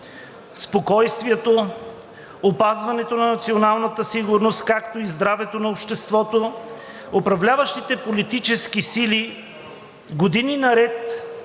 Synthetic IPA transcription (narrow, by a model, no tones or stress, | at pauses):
spokɔjst̪viɛt̪o | opazvɐnɛt̪onɐnɐt̪sionalˠnət̪əsiɡʊɾnost̪kakt̪oizd̪ɾavɛt̪onɐopʃt̪ɛst̪vɔt̪o | opɾɐvlʲavɐʃt̪it̪ɛpolit̪it͡ʃɛskisili | ɡod̪ininɐɾɛt̪